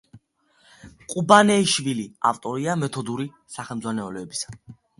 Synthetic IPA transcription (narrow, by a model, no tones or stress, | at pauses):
qʼubanɛiʃvilia̰ft̪ʼɔɾiamɛt̪ʰɔd̪uɾi | saχɛlˠmd̪zwanɛɔlɛːbisḁ